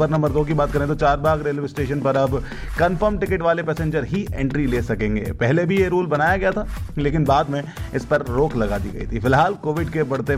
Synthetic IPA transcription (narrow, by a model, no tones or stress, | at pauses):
əɾnɐmbəɾd̪oːk̬ibaːt̪̚kɐɾẽt̪ot͡ʃaːɾbaːɡɾeːlʋɪsʈeːʃənpɐɾɐb | kɐnfəɾmʈɪkɪʈʋaːlepɛːsẽɲd͡ʒəɾɦiɛ̃ːɳʈɾileːsɐkẽːŋɡḛːpɛɦlebʱijeɾuːlbɐnaːjaɡɐjat̪ʰaːleːkɪnbaːd̪mẽɪspɐɾːoːklɐɡaːd̪ḭɡɐ̰ḭt̪ʰifɪlɦaːlkoːʋɪɖkebɐɽt̪e